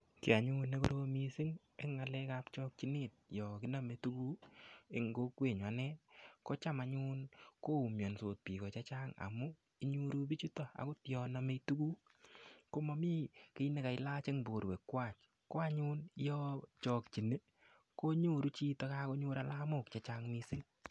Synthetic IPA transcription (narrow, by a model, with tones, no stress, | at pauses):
ki˨a˨ɲu˦ne˦ko̰˦ɾomi˦si˦ŋ | ḛ˦ŋːa˨lɛ˦ka˦pt͡ʃɔ˦k̚t͡ʃi˦ne˦˨t̚jɔ˨ki˦na˦me˨tu˦ku˦e˦ŋɡo˦kwe˨ɲwa˨nɛ˦ko˦t͡ʃa˦ma˨ɲu˦nko˦u˨mjo˨nso˨t̚pi˨kɔ˨t͡ʃa˦t͡ʃa˦ŋa̰˨mu˦ | i˦ɲu˦ɾu˦bi˦t͡ʃu˦tɔ˦˨a̰˨ko˦tjɔ˨na˨me˧tu˦ku˦ | ko˦ma˧mi˦ke˦i˦ne˦ka˨ɪ˦la˦t͡ʃe˦ŋbo˨ɾwe˨kːwa˦˨t͡ʃ | ko˦a˦ɲuː˦ni˦jɔ˦t͡ʃɔː˨kt͡ʃi˨ne˦ | ko˦ɲu˦ɾu˦t͡ʃi˦to˧ka˦ko˦ɲuː˦ɾa˨laː˦mo˦˨kt͡ʃa˨t͡ʃa˦ŋmi˦sɪ˦ŋ